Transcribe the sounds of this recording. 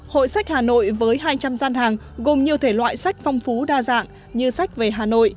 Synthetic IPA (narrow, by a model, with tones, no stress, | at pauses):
ho̰˧˨jsa˦˥jk̟̚haː˨˩no̰˧˨jvəː˨˦jɦaː˧jt͡ɕa˧mzaː˧nhaː˨˩ŋ | ɣo˨˩mɲi˨˩əwt̪ʰe˧˩lwa̰ː˧˨jsa˦˥jk̟̚fa˧wŋ͡mfu˨˦ɗaː˧za̰ː˧˨ŋ | ɲɨ˧sa˦˥jk̚ve˨˩ɦaː˨˩no̰˧˨j